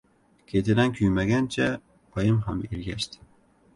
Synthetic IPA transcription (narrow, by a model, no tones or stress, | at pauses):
kʲʰet̪ʰɪd̪ankʲʰyjmaɡʲant͡ʃʰa | pʰɒjɪmɦamelɡʲaʃt̪ʰɪ̥